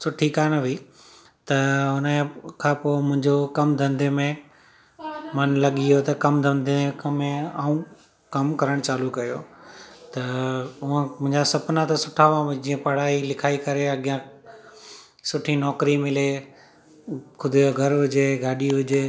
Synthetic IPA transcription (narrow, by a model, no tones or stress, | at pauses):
sʊʈʰikaːɽ̃ʋiː | t̪ɐʊnəkʰãːpoːmʊ̃ɦɪ̃ɲd͡ʑokɐmd̪ʱɐ̃nd̪ʱemẽ | mɐnlɐɠiɦot̪ɐkɐmd̪ʱɐ̃nd̪ʱeẽkɐmẽaːũ | kɐmkɐɾəɽ̃t͡ɕaːlukɐjoːt̪ɐʊə̃mʊ̃ɦɪ̃ɲd͡ʑasɐpnãt̪ɐsʊʈʰaʋãd͡ʑiːə̃pɐɽ̤aːilɪkʰaːikɐɾeɐɠjã | sʊʈʰinɔːkɾimɪle | kʰʊd̪ʱoɡʱɐɾɦʊd͡ʑeɡʱaːɗiɦʊd͡ʑeː